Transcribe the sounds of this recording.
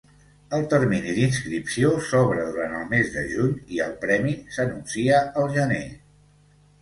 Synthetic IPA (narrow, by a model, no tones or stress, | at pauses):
əlˠt̪əɾminiðinskɾipsiosɔβɾəðuɾanəlˠmezðə̰ʒuɲiəlˠpɾɛmisənunsiəəlˠʒənḛ